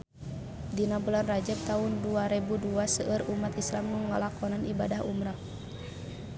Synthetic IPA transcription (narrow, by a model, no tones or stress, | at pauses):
dinabulanrad͡ʒəp̚t̪aɦunduaɾɛbuduasəʔərumat̪islamnuŋŋəlakɔnanʔibadahumɾa